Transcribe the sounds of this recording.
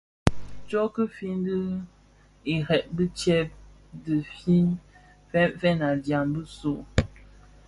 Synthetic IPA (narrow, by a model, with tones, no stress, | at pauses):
t͡ʃɔ˦kə˦fi˦n˦də˦ | i˨ɾɛ˨ʔ̚bə˦t͡ʃɛ˦p̚ | də˨fi˦n | fɛ˦mfɛ˦na˨dja˨mbə˦so˦˨